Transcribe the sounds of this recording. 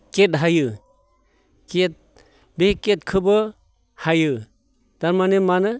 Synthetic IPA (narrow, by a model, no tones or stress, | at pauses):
ket̚ɦajɯ | ket̚ | beket̚kʰɯbɯ | hajɯ | d̥aɾmanemanɯ